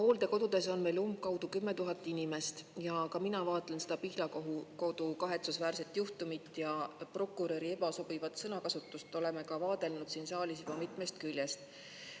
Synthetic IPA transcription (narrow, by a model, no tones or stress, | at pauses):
ho̞ːld̪e̞ko̞d̪̥ud̪e̞so̞nme̞lumb̚kɑwd̪̥ukymːe̞t̪uɦɑt̪ːˑinime̞st̪jɑkɑminɑvɑːt̪ˑle̞nsed̪̥ɑpihlɑkoɦuko̞d̪̥ukɑɦe̞t̪susvæːrse̞t̪ːˑjuht̪umit̪ːˑjɑpro̞kːˑuɾe̞ɾie̞bɑso̞b̥ivɑt̪sɤnɑkɑsut̪ːˑust̪o̞le̞mekɑvɑːd̪̥e̞lnud̪̥siːnsɑːlis̬jubɑmit̪ˑme̞st̪̚kylʲjest̪